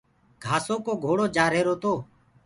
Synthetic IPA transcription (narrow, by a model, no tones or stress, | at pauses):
ɡʱaːsoːkoːɡʱoːɽoːd͡ʒaːɾeːɾoːt̪oː